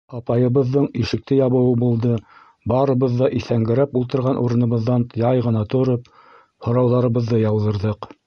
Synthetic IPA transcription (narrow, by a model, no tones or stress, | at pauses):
ɑpɑjɤ̆βɤ̆ðːɤɴiʃɘ̆k̚t̪ɘjɑβɤ̆wɤbulˠd̪ɤ | bɑɾɤ̆βɤðːɑʔiθæŋɡɘ̆ɾæpulˠt̪ɤ̆ɾʁɑnʔuɾɤ̆nɤ̆βɤ̆ðːɑnt̪jɑjʁɤ̆nɑt̪ŏɾɤp | hŏɾɑwðˠɑɾɤ̆βɤ̆ðːɤjɑwðɤ̆ɾðɤq